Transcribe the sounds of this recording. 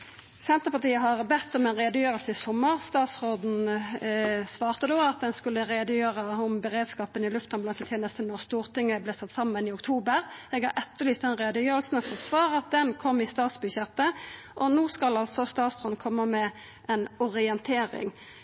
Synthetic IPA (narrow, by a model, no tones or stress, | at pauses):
sɛnt̪əʁpɑʁt̪iːəɦɑʁbɛt̪ːɔmɛnʁeːd̪əjøːʁəlsəɪsɔmːəʁst̪ɑːt̪sʁoːd̪n̩ | sʋɑːʁt̪əd̪oːɑt̪̚d̪ɛnskʉlːəʁeːd̪əjøːʁəʊmbɛʁeːd̪skɑːpənɪlʉft̪ɑnblɑnɛt̪ʰjeːnəst̪ənɔʁst̪uːʁt̪ɪŋːəbleːsɑt̪ːsɑmːənɪʊk̚t̪ʰuːbəʁɛːɡhɑɾʔɛt̪ːəʁlyːt̪ːd̪ɛnʁeːd̪əjøːʁəlsn̩ɔfɔt̪ːsʋɑːʁɑt̪̚d̪ɛnkʰɔmːɪst̪ɑːt̪sbʉçɛt̪ːəʔɔnoːskɑlɑlt̪sɔst̪ɑːt̪sʁoːd̪n̩kʰɔmːəmɛ | ʔɛnʊʁɪɛnt̪ʰeːɾɪ̰ŋ